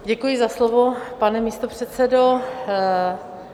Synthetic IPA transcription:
ɟɛkujɪzaslovo̞panɛmiːst̪o̞pr̝̥ɛt̪t͡sɛdo

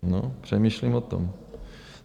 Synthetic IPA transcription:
no̰pr̝̥ɛmiːʃlimot̪o̰m

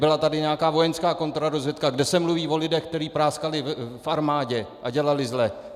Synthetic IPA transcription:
bɪlat̪adɪɲɛakaːvo̞jɛnskaːko̞nt̪oɾadozvjɛt̪kaɡdɛsɛmluviːvo̞lɪdɛxk̚t̪ɛɾiːpɾaːskalɪfʔaɾmaːɟɛʔaɟɛlalɪzlɛ

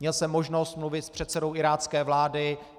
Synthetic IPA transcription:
ɲɛlsɛmːoʒno̞st̪mluvɪt̪spr̝̥ɛt̪t͡sɛdo̞wʔɪɾaːt͡skɛːvlaːdɪ

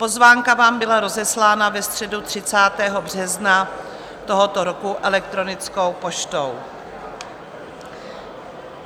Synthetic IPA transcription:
po̞zvaːŋkavaːmbɪlaɾo̞zɛslaːnavɛst̪r̝̥ɛdut̪r̥ɪt͡saːt̪ɛːɦo̞br̥ɛzna | t̪oɦo̞t̪oɾokuʔɛlɛk̚t̪ɾo̞nɪt͡sko̞wpo̞ʃt̪o̞w

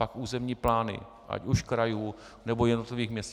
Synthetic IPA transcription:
akuːzɛmɲiːplaːnɪ̰ | ʔa̰cuʃkɾajuː | nɛbojɛdnot̪lɪviːxmɲɛst

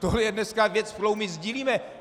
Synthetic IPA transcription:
t̪oɦlɛjɛdnɛskavjɛt͡sfkɾowmɪzɟiːliːmɛ

